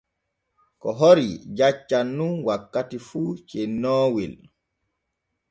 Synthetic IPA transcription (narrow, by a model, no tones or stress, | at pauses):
kɔɦoɾid͡ʒat͡ʃːanːunwakːatifuːt͡ʃɛnːɔːwil